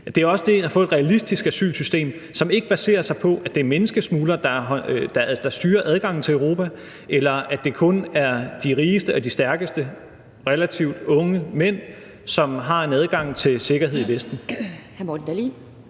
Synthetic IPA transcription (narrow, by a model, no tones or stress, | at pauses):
d̥e̝æɐɒ̽səd̥e̝fɔ̽ðˠed̥ʁɛælisd̥isɡ̥æsy̰ːlsysd̥e̝̰ːm | sɒ̽me̝ɡ̥əb̥æse̝̰ːɐsɑ̈ɪpʰɒ̽ʔæd̥e̝ɐmenəsɡ̥əsmuːlɐd̥ɑ̈d̥ɑ̈d̥ɑ̈sd̥yːɐʔæð̞ˠɡ̥ɑ̈ŋ̰n̩t͡sʰe̝øʊʁo̝ːpʰæ | ʔelɐæ̥e̝kʰɔ̽næɐd̥iʁiːsd̥əɒ̽d̥isd̥æɐɡ̥əsd̥ə | ʁɛlæt͡sʰiʊd̥ɔ̽ŋəmen̰ | sɒ̽mɦɑ̈e̝næð̞ˠɡ̥ɑ̈ŋ̰t͡sʰe̝lse̝ɡ̥ɐɦe̝ð̞̰ˠiʋesd̥n̩hmod̥n̩d̥æli